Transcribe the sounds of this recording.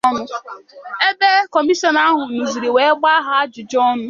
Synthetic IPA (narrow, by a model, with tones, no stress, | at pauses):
mʊ˦ | e˦de˦kɔ˨mi˦sɔ˦na˦ɦʊ˨nu˨zi˨ɾe˨we˨˦ɡ͡ba˦ɦa˨a˦d͡ʒʊ˨d͡ʒɔ˦mʊ˦